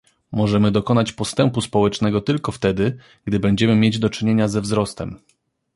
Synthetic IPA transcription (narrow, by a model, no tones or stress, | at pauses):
mɔʐɛmɘd̪ɔkɔnat͡ɕpɔst̪ɛmpuspɔwɛt͡ʂnɛɡɔt̪ɘlkɔft̪ɛd̪ɘ | ɡd̪ɘbɛɲd͡ʑɛmɘmʲjed͡ʑd̪ɔt͡ʂɘɲeɲazɛvzɾɔst̪ɛm